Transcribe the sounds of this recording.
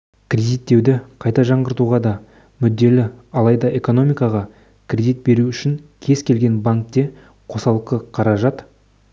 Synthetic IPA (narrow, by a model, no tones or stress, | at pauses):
kʲrʲed̪ijt̪ːe̞wd̪ɪqʰɑjt̪ɑʒɑɴʁəɾt̪uʁɑd̪ɑ | mʏd̪ːe̞lɪɑlˠɑjd̪ɑe̞ko̞no̞mijkɑʁɑ | kʲʰrʲed̪ijt̪̚be̞ɾuʏʃɪŋkʲʰe̞zkʲʰe̞lɡʲe̞nbaŋk̚t̪e̞ | qʰo̞sɑlˠəqəqʰɑɾɑʒɑt̪